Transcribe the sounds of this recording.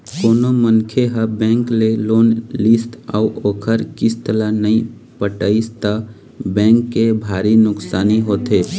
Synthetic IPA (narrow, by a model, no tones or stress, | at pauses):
koːnomənkʰeɦəbɛ̃ːŋkleloːnlɪsʈa̰uʔoːkʰəɾkɪst̪əlanəĩ | pəʈəist̪a | bɛ̃ːŋkːebʱaːɾinʊksaːniɦoːt̪eː